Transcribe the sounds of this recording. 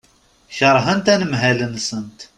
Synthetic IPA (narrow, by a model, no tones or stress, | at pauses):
çɑɾˤɦənt̪ænəmɦælənsənt̪